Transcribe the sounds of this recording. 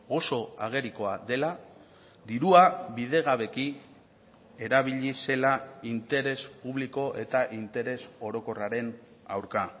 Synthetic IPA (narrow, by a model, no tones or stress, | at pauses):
ɣo̞so̞aɣ̞e̞ɾiko̞ad̪e̞la | d̪iɾuaβiðe̞ɣ̞aβe̞ki | e̞ɾaβ̞iʎise̞laint̪e̞ɾe̞spuβliko̞ʔe̞t̪aʔint̪e̞ɾe̞so̞ɾo̞ko̞raɾe̞n | a̰wɾka